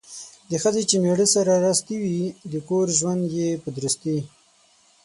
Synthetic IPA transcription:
d̪əxəzet͡ʃemeɽəsaɾaɾast̪iwid̪əkoɾʒwand̪jepəd̪ɾəst̪i

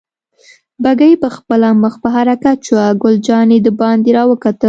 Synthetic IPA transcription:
baɡəjpəxpəlaməxpəɦaɾakat̪̚t͡ʃwaɡʊld͡ʒɑned̪əbɑnd̪eɾɑwəkat̪ə

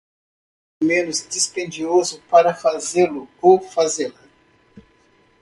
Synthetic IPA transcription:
mẽnʊzd̪ispẽnd͡ʒiozʊpaɾɐfazelʊkofazela

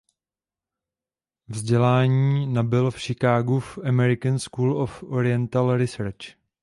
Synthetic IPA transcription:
vzɟɛlaːɲiːnabɪlfʃɪkaːɡufʔamɛɾɪkənskuːlofoɾɪɛnt̪alɾɪsɛɾt͡ʃ

